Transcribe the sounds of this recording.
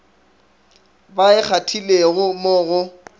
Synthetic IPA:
baɪk͡xʰatʰileɣʊmʊɣʊ

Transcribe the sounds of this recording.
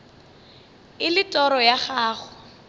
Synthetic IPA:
ɪlɪtʼɔɾɔjaχaːχʊ

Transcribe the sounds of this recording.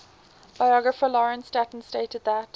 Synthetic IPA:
b̥aɪɔɡɹəfəlɔɹə̃nstætn̩steɪtəd̪̚ðət

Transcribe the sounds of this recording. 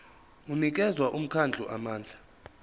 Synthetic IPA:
unik̬ʼɛzwaʔum̩kʰand͡ɮʱṵʔamaːnd͡ɮʱa

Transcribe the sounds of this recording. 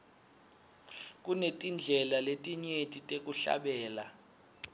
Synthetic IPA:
kʼunetʼind͡ɮʱɛlaletʼiɲetʼitʼek̬ʼuɬa̰ɓɛːla

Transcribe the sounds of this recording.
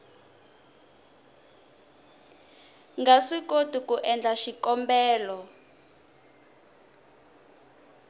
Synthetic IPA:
ŋɡasikotukuʔɛnd͡ɮaʃikɔmbɛːlɔ

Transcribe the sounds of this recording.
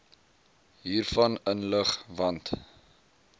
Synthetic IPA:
ɦiːrfɐnənləχvɐnt

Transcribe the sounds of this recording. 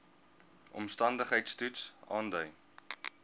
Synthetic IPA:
ʔɔ̰mstɐndəχəjtstutsɑːndœɥ

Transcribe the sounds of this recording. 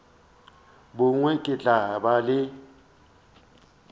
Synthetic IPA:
bʊŋwekʼɪɮabalɪ

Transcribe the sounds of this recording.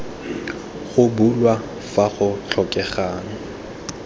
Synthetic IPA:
χʊbulwa | faχʊt͡ɬʰɔkʼɛχaːŋ̩

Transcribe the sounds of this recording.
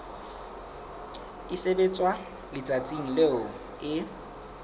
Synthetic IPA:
isebet͡sʼwa | lɪt͡sʼat͡sʼiŋ̩leʊ | ɪ

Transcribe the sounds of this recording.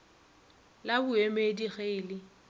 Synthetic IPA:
labʊemediɣeɪlɪ

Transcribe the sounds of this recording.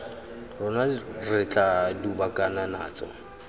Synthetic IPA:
rʊnarɪt͡ɬʼadubakʼanana̰ːt͡sʼɔ̰

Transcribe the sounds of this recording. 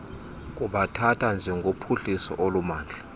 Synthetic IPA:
k̬ʼuɓatʰatʰand͡ʒʱɛŋɡʱopʰuɬisɔ̰ʔolumaːnd͡ɮʱa

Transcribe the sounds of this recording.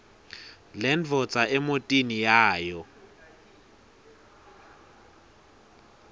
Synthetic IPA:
lɛnvʱɔt͡sʼaʔɛmotʼinijaːjɔ

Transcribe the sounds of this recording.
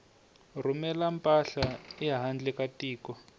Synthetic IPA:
rumɛlampʼaɬaɛaɦand͡ɮɛkatiːkɔ

